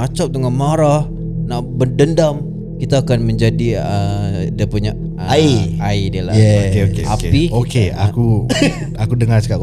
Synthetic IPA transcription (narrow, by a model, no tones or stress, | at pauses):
at͡ʃɔp̚d̪əŋanmaɾɔh | naʔbədəndam | kit̪aːkanməɲd͡ʒadiədəpuɲaʔ | aiaidiala̰jɛkeokea̰piokea̰ku | akudəŋarska